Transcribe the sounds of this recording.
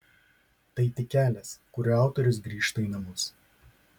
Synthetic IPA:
t̪ɐɪt̪ʲɪkʲæːlʲɛskʊɾʲʊɑˑʊt̪ɔɾʲʊs̬ɡɾʲiːʃt̪ɐiˑnɐmʊs

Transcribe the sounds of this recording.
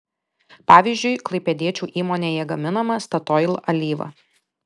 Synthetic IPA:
pɑːʋʲiːzʲʒʲd͡ʒʲʊɪklˠɐɪpʲɛd̪ʲiɛt͡ʃʲuːʔiːmoːnʲeːjɛɡɐmʲɪnɐmɐst̪ɐt̪ɔɪlˠɐlʲiːʋɐ̰

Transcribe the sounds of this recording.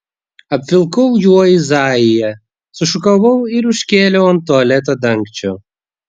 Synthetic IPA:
ɐpʲfʲɪlˠkɔwjuɔjizɑːjɪjɛ | sʊʃʊkɐʋɐwɪɾʊʃʲkʲeːlʲɔwɐnt̪ɔɐlʲɛt̪ɐd̪ɐŋkt͡ʃʲɔ

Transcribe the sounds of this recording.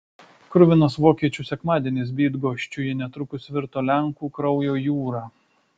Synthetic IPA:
kɾʊʋʲɪnoːsʋoːkʲiɛt͡ʃʲuːsʲɛkmɑːd̪ʲiɛnʲɪs̬bʲiːd̪ɡoːʃʲt͡ʃʲʊjɪnʲɛt̪ɾʊkʊsʋʲɪɾt̪oːlʲɛŋkuːkɾɒʊjoːjuːɾɑː

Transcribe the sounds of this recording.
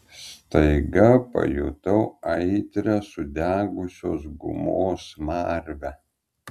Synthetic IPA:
st̪ɐɪɡɐpɐ̰jʊ̰t̪ɐʊɐɪt̪ʲɾʲæsʊd̪ʲæːɡʊsʲoːsɡʊ̰moːsmɑːɾʲʋʲæ

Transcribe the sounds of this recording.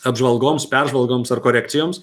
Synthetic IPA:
ɐbʒʋɐlˠɡoːmspʲærʒʋɐlˠɡoːmsɐrkoːɾʲæːkt̪ʲɪjoːms

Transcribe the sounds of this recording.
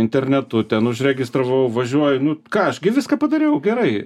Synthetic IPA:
ɪnʲt̪ʲɛrʲnʲɛt̪ʊt̪ʲɛnʊʃrʲɛɡʲɪst̪ɾɐʋɐʊʋɐʒʲuɔjʊnʊkɑːɐʃɡʲɪʋʲɪskɑːpɐd̪ɐɾʲejɛʊɡʲɛɾɐɪ

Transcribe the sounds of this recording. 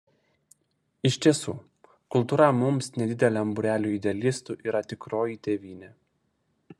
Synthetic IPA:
ɪʃʲt̪ʲiɛsṵː | kʊlˠt̪uːɾɐmʊmsnʲɛd̪ʲɪd̪ʲɛlʲɛɐmbʊɾʲæːlʲuːɪd̪ʲɛɛlʲɪst̪uʔiːɾɐt̪ʲɪkɾoːjit̪ʲeːʋʲiːnʲeː

